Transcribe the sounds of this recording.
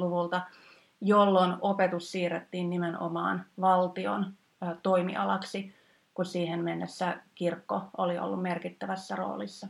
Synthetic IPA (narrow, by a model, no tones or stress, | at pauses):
luʋult̪ɑ | jolːonopet̪ussiːret̪ːiːnnimeno̰mɑ̰ːnʋɑlt̪io̰nː | t̪o̞imḭʔɑ̰lɑksi | kussiːhemmenːesːækirkːoolio̰lːummerkit̪ːæʋæsːæro̞̰ːlisːɑ